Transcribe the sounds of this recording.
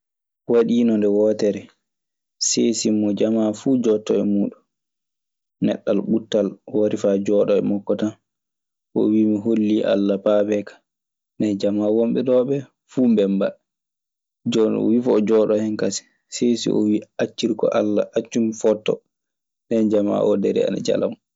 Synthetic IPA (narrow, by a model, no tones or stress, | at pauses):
waɗiːnɔndɛwɔːtɛɾɛ | sesimːɔd͡ʒamafuːd͡ʒɔtːɔɛmuːɗun | nɛ̰ɗːalɓutːalwaɾifad͡ʒɔːɗɔɛmɔkːɔtan | ɔ̰wiːmiɦolːiʔa̰lːapaːbɛkḁ | ndɛd͡ʒamawomɓɛɗɔːɓɛ | fuːmbɛmba | d͡ʒɔwifɔd͡ʒɔɗɔhɛnkasi̥ | sesḭʔɔ̰wiat͡ʃːiɾkɔ̰ʔalːaʔat͡ʃːumfɔtːɔ̰ | dɛnd͡ʒama̰ʔɔdɛɾɛ̰a̰na̰d͡ʒa̰la̰m